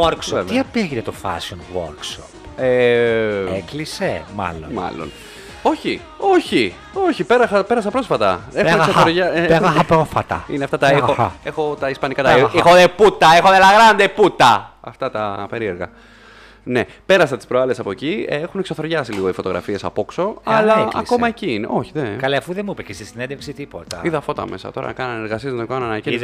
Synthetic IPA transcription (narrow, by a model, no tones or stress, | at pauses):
oɾksoevt̪iɐpeʝinet̪ofɐ̰sonwo̰ɾksope | eklisemɐ̰lonmɐ̰lo̞̰n | o̞çi | o̞çi | o̞çipe̞ɾɐxɐpeɾɐsɐpɾo̞sfɐt̪ɐeuneɣsooɾʝɐeeɣɐxɐpɾofɐt̪ɐ̰ineɐft̪ɐt̪ɐexoexo̞t̪ɐispɐnikɐt̪ɐiexoðeput̪ɐexoðelɐɣɾɐnd̪eput̪ɐɐft̪ɐt̪ɐpe̞ɾie̞ɾɣɐ̰ | ne̞ | pe̞ɾɐsɐt̪i̥spɾoɐlesɐpo̞eciexuneksoθo̞ɾʝɐsiliɣo̞ifo̞t̪o̞ɣɾɐ̰fie̞sɐ̰po̞kso̞ɐlɐɐ̰ko̞mɐeciinḛʔo̞çiðekɐleɐfuðemipecest̪isinend̪efpsit̪ipot̪ɐ̰iðɐfo̞t̪ɐ̰me̞̰sɐ̰t̪o̞ɾɐ̰ɐkɐnɐneɾɣɐsiezðekɐnɐnɐɟi